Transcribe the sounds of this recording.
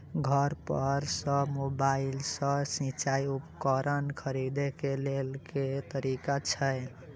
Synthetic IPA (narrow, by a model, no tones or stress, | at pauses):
ɡʱəɾpəɾsə̃mobailsə̃sĩt͡ʃajupkəɾənkʰəɾid̪ekelelket̪əɾikat͡ʃʰəj